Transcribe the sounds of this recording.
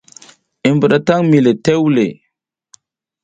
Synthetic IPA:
i˨mbə˨ɗa˨ta˦ŋmi˨le˨te˦wle˨

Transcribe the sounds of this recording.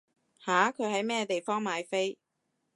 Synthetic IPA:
haː˨˥kʰɵ˨˧ɥhɐ˨˥jmɛː˥˧t̪e˨jfɔː˥ŋmaː˨˧jfe˥j

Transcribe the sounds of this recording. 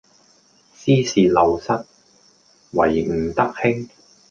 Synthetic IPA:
siː˥siː˨lɐ˨wsɐ˥t̚ | wɐ̰˨˩jŋ̩˨˩t̪ɐ˥k̚hɪ˥ŋ

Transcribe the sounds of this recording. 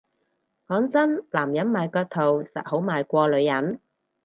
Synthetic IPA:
kɔː˨˥ŋt͡sɐ˥nlaː˨˩mjɐ˨˥nmaː˨˧jkœː˧t̚t̪ʰo˨˩wsɐ̰˨t̚ho˨˥wmaː˨˧jkʷɔː˧lɵ˨˧ɥjɐ˨˥n

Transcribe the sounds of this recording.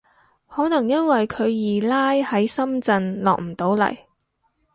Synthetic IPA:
hɔː˨˥nɐ˨˩ŋjɐ˥nwɐ˨jkʰɵ˨˧ɥjiː˨˩laː˥jhɐ˨˥jsɐ˥mt͡sɐ˧nlɔ̰ː˨k̚m̩˨˩t̪o˨˥wlɐ̰˨˩j

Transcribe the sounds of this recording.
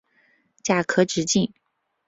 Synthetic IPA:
t͡ɕja˥˩kʰɤ˥ʈ͡ʂɻ̩˧˥t͡ɕi˥˩ŋ

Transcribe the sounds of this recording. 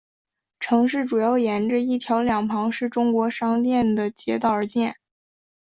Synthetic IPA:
ʈ͡ʂʰɤ˧˥ŋʂɻ̩˥˩ʈ͡ʂu˨˩jɑ˥˩ʊjɛ˧˥nʈ͡ʂə˧i˥˩t̪ʰjɑ˧˥ʊljɑ˨˩ŋpʰɑ˧˥ŋʂɻ̩˥˩ʈ͡ʂʊ˥ŋkwɔ˧˥ʂɑ˥ŋt̪jɛ˥˩nd̪ə˩t͡ɕjɛ̰˧˥t̪ɑ˥˩ʊə˞˧˥t͡ɕjɛ˥˩n

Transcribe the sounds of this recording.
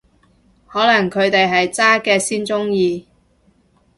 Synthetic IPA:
hɔː˨˥lɐ˨˩ŋkʰɵ˨˧ɥt̪e˨jɦɐ˨jt͡saː˥kɛː˧siː˥nt͡sʊ˥ŋjiː˧

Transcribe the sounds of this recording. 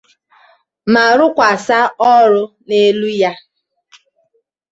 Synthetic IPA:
ma˨ɾʊ˦kʷa˨sa˦ɔ˦ɾʊ˦ | ne˦lu˦ja˦

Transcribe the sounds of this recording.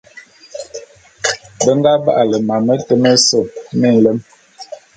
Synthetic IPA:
bə˦ŋɡa˦ba̰˦˨ʔa˨lə˨ma˨mə˦tə˦mə˦sə˨p̚mə˦˨n̩˨lə˦m

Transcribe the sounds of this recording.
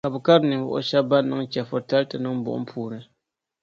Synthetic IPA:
ka˨bɨ˨ka˦ɾnɨ˨vʊ̰˨ʔʊ̰˦ʃɛ˦ba˦nːɨ˦ŋt͡ʃɛ˨fo˨ta˦ltɨ˨nɨ˦ŋbʊ̰˨ʔʊ̰˦pʰuː˨nɨ˦

